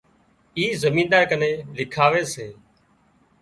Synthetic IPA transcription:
iːzəmiːnd̪aːɾkəneːlɪkʰaːʋeːseː

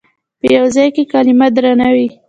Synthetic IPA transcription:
pəjawzɑjkekalɪmad̪ɾanawi

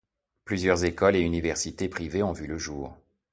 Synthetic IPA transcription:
plyzjœʁzekɔleynivɛʁsit̪epχiveɔ̃vyləʒuːʁ

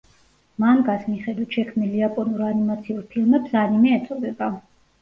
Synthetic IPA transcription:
manɡasmiχɛd̪wit̪ʃɛkʰmniliapʼɔnuɾanimat̪sʰiulˠpʰilˠmɛbsanimɛːt̪sʼɔd̪ɛba

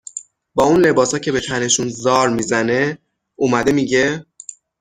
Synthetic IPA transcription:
bɒːunle̞bɒːsɒːcʰe̞be̞t̪ʰæne̞ʃunzɒːɾmiːzæne̞ | umæd̪e̞miːɟe̞

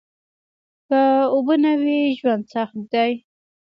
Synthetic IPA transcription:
pəobənawiʒwand̪saxt̪d̪aj

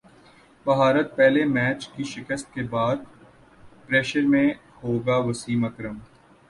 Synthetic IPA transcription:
bɐɦaːɾət̪̚pɛɦlemɛːt͡ʃkiʃɪkəst̪̚kebaːd̪̚ | pɾeːʃəɾmẽ | hoːɡaʋɐsiːmɐkɾəm

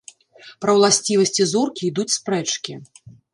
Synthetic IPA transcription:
pɾɐwlˠasʲt͡sʲivɐsʲt͡sʲizurkʲiːd̪ut͡sʲspɾɛt͡ʂkʲi

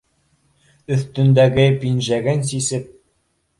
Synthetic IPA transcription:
ɵ̆θt̪ɵ̆nd̪æɡɘpinʒæɡɘns̬isɘp̚

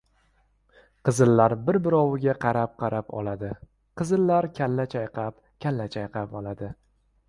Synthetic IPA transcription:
qʰɨzɨlːaɾbɪɾbɪɾɒwɪɡʲaqʰɑɾap̚qʰɑɾapɒ̰lad̪ɪ | qʰɨzɪlːaɾkʲʰalːat͡ʃʰajqʰɑp̚ | kʲʰalːat͡ʃʰajqʰɑpɒlˠad̪ɪ

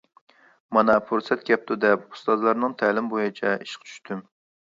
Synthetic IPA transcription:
mɑnɑpʰuɾsɛt̪kʲɛp̚t̪ʰud̪ɛpu̥st̪ɑzlˠɑɾnɨŋt̪ʰɛlɪmbojit͡ʃʰɛiʃqʰt͡ʃʰy̥ʃt̪ʰym

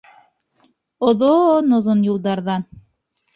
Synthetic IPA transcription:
ŏðonoðonjulˠd̪ɑɾðɑn

